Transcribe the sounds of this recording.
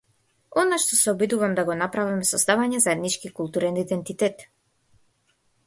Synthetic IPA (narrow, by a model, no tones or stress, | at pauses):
ɔnaʃt̪ɔsɛɔbid̪uvamd̪aɡɔnapɾavimɛsɔzd̪avaɲɛzaɛd̪nit͡ʃkikulˠt̪uɾɛnid̪ɛnt̪it̪ɛt̪